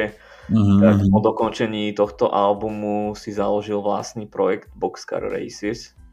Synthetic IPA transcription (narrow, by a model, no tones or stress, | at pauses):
ɛ | apɔd̪ɔkɔnt͡ʃɛɲiːt̪ɔxt̪ɔʔalbumusizalɔʒilʋla̰sniːpɾɔjɛɡd̪bɔkska̰ɾɾɛ̰jsis